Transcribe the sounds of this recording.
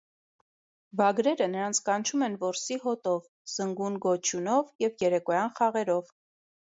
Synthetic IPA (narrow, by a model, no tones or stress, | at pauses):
vɑɡɾɛɾənəɾɑnt͡sʰkɑnt͡ʃʰumɛnvɔɾsiɦɔt̪ɔv | z̥əŋɡunɡɔt͡ʃʰjunɔvjɛvjɛɾɛkɔjɑnχɑʁɛɾɔv